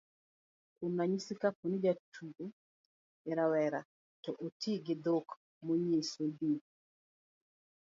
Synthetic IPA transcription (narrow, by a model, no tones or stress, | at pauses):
unaɲisikaponid͡ʒatʰuɡo | eɾawɛɾa | tɔʔotʰiɡɪd̪ok | moɲesodi